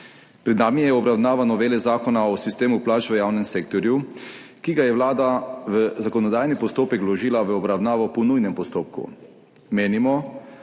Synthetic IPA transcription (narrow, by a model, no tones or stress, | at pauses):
pɾɛd̪naːmijɛɔbɾawnaːʋanɔʋeːlɛzaːkɔnaɔsist̪eːmuplaːt͡ʃʋəjaːwnɛmseːkt̪ɔɾju | kiɡajɛwlaːd̪aʋəzakɔnɔd̪aːjnipɔst̪oːpɛklɔʒiːlaʋəɔbɾawnaːʋɔpɔnujnɛmpɔst̪oːp̚kṵ | meːnimɔ